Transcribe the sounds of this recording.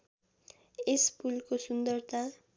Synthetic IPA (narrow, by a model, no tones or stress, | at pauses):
espulkosund̪ʌrt̪a